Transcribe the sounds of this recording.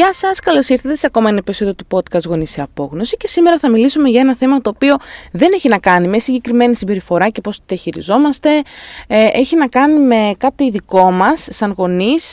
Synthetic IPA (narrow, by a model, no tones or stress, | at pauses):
ɐsɐskɐlosiɾθet̪esɐko̞mɐenɐpeso̞ðijot̪upo̞t̪kɐst̪ɣo̞nisiɐpo̞ɣno̞sice̞sime̞ɾɐθɐmilisume̞ʝɐe̞nɐθe̞mɐt̪o̞ːpio̞ðe̞neçinɐkɐnimesiɲɟe̞kɾime̞nisimbe̞ɾifo̞ɾɐce̞po̞st̪iðiɐçiɾizo̞mɐst̪e̞ | ʔe̞çinɐkɐnime̞kɐt̪iðiko̞mɐsːɐnɣo̞nis